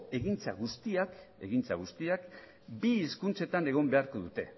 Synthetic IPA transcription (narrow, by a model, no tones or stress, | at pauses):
e̞ɣint͡sa̰ɣ̞ust̪iake̞̰ɣint͡saɣust̪iak | biːskunt͡se̞t̪ane̞ɣ̞o̞mbe̞aɾko̞ðut̪e̞̰